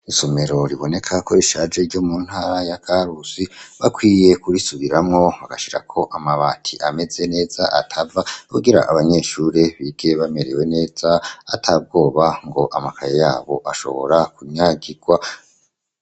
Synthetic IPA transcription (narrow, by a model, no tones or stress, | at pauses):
isome̞ɾo̞ɾiβo̞ne̞kʰakʰo̞ɾiʃad͡ʒe̞ɾɟo̞muːn̥haːɾajakʰaɾusiβakwiːje̞kuɾisuβiɾamŋo̞βaɡaʃiɾa̰kʰo̞ʔamaβaːtʰiʔame̞ze̞ne̞ːz̥aʔatʰavauɡiɾa̰ʔaβaɲe̞ʃuɾeβiɡ̥e̞βame̞ɾewe̞ne̞ːzaatʰab̚ɡo̞ːβaŋɡo̞ʔamakajejaːβo̞ʔaʃo̞̰βo̞̰ɾakuɲɲaɡiɡ̥wa